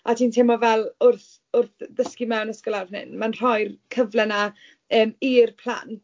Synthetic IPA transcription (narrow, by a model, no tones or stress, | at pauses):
atʰiːntʰɪmɔvɛlˠʊrθ | ʊrθðəskimɛwnəskəlˠarvnɪ̰nmanr̥ɔjrkʰəvlɛna | əːmiːrpʰl̥ˠa̰n